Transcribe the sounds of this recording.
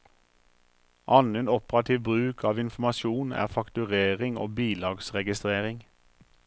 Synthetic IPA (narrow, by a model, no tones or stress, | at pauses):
ʔɑneːnɔpəʁɑt̪ʰiːʋbʁʉːkʰɑːʋɪnfmɑʃuːnæ̰ːʁfɑkt̪ʉʁeːʁɪŋo̰ːbiːlɑːɡsʁɛɡɪst̪ʁeːʁɪŋ